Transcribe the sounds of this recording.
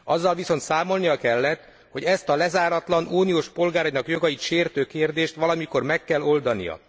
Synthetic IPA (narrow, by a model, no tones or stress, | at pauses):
ɒzːɒlviso̞nt̪saːmo̞lnijɒkɛlːɛt̪ | ho̞ɟɛst̪ɒlɛzaːɾɒt̪lɒnuːnijoːʃpo̞lɡaːɾjnɒkjo̞ɡɒjit̪ʃeːrt̪øːkeːrd̪eːʃt̪ʋɒlɒmiko̞rmɛkːɛlːo̞ld̪ɒnḭjɒ̰